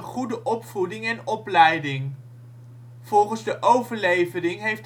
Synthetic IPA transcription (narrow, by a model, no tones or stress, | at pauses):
χudəʔɔpfudɪŋɛnɔplɛjdɪŋ | v̥ɔlˠχənzdəʔowvəɹlejvəɾɪŋɦejft